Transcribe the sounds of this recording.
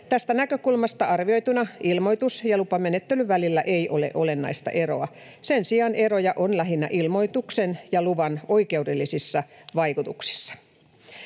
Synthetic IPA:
t̪æst̪ænækøkulmɑst̪ɑɑrʋio̞jt̪unɑʔilmo̞it̪usjɑlupɑmenet̪ːelyʋælilːæʔeiʔolḛʔolenːɑ̰ist̪ɑ̰ʔe̞ɾo̰ɑ | sensiɑne̞ɾojɑʔonlæɦinːæ̰ʔilmo̞jt̪uksenjɑluʋɑno̞ike̞udelːisisːɑʋɑikut̪uksi̥sːɑ̥

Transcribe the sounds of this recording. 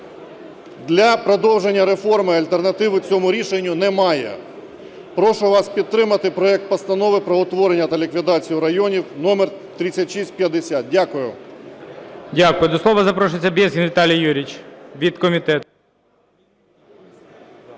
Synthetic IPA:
d̪lʲɐpɾɔd̪ɔwʒenʲːɐɾe̞fɔrmɪɐlʲt̪ernɐt̪ɪʋɪt͡sʲɔmʊɾʲiʃenʲːʊnɛmɑjɛ̰ | pɾɔʃʊʋɑspʲid̪̚t̪ɾɪmɐt̪ɪpɾɔɛk̚t̪̚pɐst̪ɐnɔʋɪpɾɔɔt̪ʋɔɾenʲːɐt̪ɐlʲikʋʲid̪ɑt͡sʲijʊɾɐjɔnʲiwnɔmɛrt̪ɾʲɪt͡sʲːɐtʲʃisʲt̚ʲpjɐd̪esʲat̪̚dʲakʊjʊ̰ | dʲakʊjʊd̪ɔslˠɔʋɐzɐpɾɔʃʊt͡sʲːɐbʲizɦʲinʋʲit̪ɑlʲijjuɾʲit͡ʃʋʲid̪kɔmʲit̪ɛt̪

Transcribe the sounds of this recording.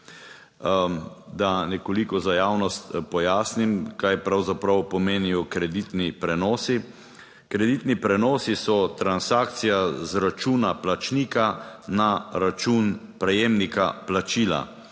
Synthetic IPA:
d̪anɛkɔlikɔzajaːwnɔst̪pɔjaːsnimkajpɾawzapɾawpɔmeːnijɔkɾɛd̪it̪nipɾɛnɔːsi | kɾɛd̪it̪nipɾɛnɔːsisɔt̪ɾansaːkt̪sijazɾat͡ʃuːnaplat͡ʃnikanaɾat͡ʃuːn | pɾɛjeːmnikaplat͡ʃiːla̰

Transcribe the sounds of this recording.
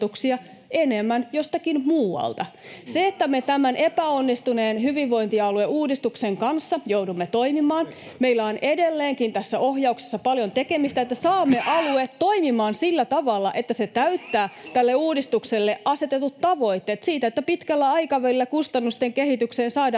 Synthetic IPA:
uksiɑ | enemːænjost̪ɑkinmuːwɑ̰lt̪ɑseet̪ːæmet̪æmænʔepæonːist̪une̞ːnhyʋiʋʋo̞int̪iɑlueuːdist̪ukseŋkɑnsːɑjoudumːet̪o̞imimɑːn | meilːæonʔedelːeːŋkint̪æsːæʔohjɑukse̥sːɑpɑljont̪ekemist̪æet̪ːæsɑːmːeʔɑluet̪ːo̞imimɑːnsilːæt̪ɑʋɑlːɑ̰ʔet̪ːæset̪æyt̪ːæːt̪ælːeuːdist̪ukselːeʔʔɑse̞t̪et̪ut̪tɑʋo̞jt̪ːeːt̪siːt̪æet̪ːæpit̪kælːæɑjkɑʋælilːækust̪ɑnːust̪eŋkeɦit̪ykseːnsɑːd

